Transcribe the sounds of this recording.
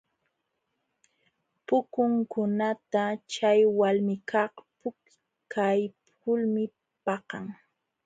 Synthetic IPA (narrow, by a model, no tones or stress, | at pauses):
pʊkʊŋkʊnat̪at͡ʃajwalmɪkʰɑχpʊk | kʰajp | ʊlmɪ | pɑqɑ̰ŋ